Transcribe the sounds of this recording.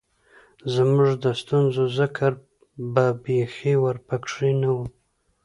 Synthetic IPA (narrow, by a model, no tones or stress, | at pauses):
zmuʐd̪əst̪unzozəkʰaɾ | babexewaɾpakʂinawu